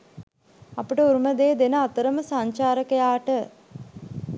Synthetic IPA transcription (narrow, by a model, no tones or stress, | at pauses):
apəʈəuɾuməd̪eːd̪enəat̪əɾəməsaɲt͡ʃaːɾəkəjaːʈə